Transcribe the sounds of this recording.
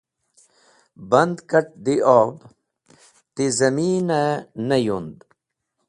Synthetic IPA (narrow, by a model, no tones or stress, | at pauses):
bɐnd̪kɐʈ̚d̪iʔoːb | t̪izɐmiːnɐnɐjund̪